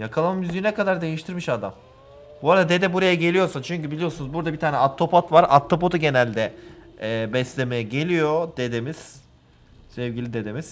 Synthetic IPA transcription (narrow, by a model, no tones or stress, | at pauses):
jakʰalˠamamyzyjinɛkʰad̪aɾd̪e̞jiʃt̪ʰiɾmiʃad̪am | boɾad̪ad̪e̞d̪ɛbuɾajaɟe̞lʲijo̞ɾsat͡ʃʰyɲcybilʲijo̞sunuzbuɾd̪abit̪ʰaːnɛat̪ʰːo̞pat̪vaɾa̰t̪ʰːop̬ot̪ʰuɟe̞nælʲd̪ɛː | bɛslʲe̞mejɛɟe̞lʲijod̪̥e̞d̪emiz̥ | sɛvɟilʲid̪e̞d̪emiz̥